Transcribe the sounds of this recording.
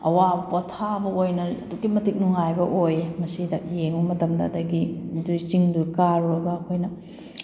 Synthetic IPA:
ɐ̰wabɐpotʰabɐojnɐɐdukːimɐtik̚nuŋajbɐʔojmɐsidɐjeŋumɐtɐmdɐ̰dɐɡiduɾt͡ʃiŋdukaɾuɐdbɐːkʰojnɐ

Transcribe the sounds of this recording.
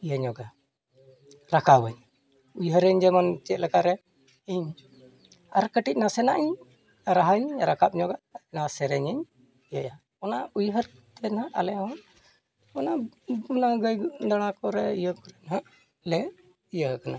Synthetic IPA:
ijəɲɔɡa | ɾakawəɲ | ujɦəɾəɲd͡ʒɛmant͡ʃɛt̪̚lakaɾɛ | iɲ | aɾkəʈic̚nasɛnaʔiɲ | ɾaɦəɲɾakap̚ɲɔɡanasɛɾɛɲəɲ | ijəja | ɔnaujɦəɾt̪ɛnaʔa̰lɛɦɔ | ɔnaɔnaɡəjɖaɽ̃akɔɾɛijəkɔɾɛnɦaʔ | lɛ | ijəɦəkana

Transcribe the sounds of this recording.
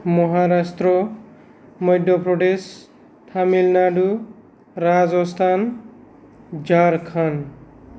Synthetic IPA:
mɔɦaɾast̪rɔ | mʌjɖ̪ʱʌpɾɔɖes | t̪ʰamilnaɖu | ɾad͡zɔst̪ʰan | d͡ʒaɾkʰan

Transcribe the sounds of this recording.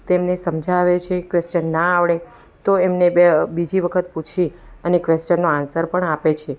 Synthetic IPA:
t̪emnesəmd͡ʒʱaʋet͡ʃʰekʋest͡ʃənːaaʋɳe | t̪oemnebid͡ʒiʋəkʰət̪put͡ʃʰi | ənekʋest͡ʃənːoansəɾpəɳapet͡ʃʰe

